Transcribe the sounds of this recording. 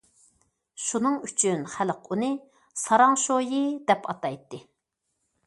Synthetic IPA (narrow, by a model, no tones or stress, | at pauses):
ʃunɨŋyt͡ʃʰynχælqunɨ | sɑɾɑŋʃojid̪ɛpɑt̪ɑjt̪ːɨ